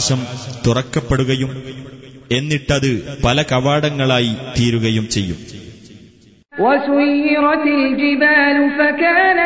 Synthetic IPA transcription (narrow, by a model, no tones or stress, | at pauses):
ʂɐmt̪urɐkːɐpːe̞ɽuɣɐjum | e̞nːiʈːɐðɨpɐlɐkɐʋaːɽɐŋːɐɭaːjit̪iːɾuɣɐjumt͡ɕe̞jːum | wɐsʊjːɪɾɑt̪ɪld͡ʒɪbaːlʊfakaːn